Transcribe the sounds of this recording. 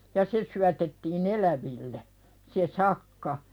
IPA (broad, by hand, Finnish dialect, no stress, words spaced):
jɑ se syætetːiːn elæʋilːe se sɑkːɑ